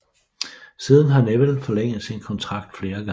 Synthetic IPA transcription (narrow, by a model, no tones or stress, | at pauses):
siːð̞ˠn̩ɦɑ̈neʋəl̩fɒ̽leŋ̰ð̩ˠsinkʰɒ̽nt͡sʰʁɑ̈ɡ̥̚d̥fle̝ːɐɡ̥ɑ̈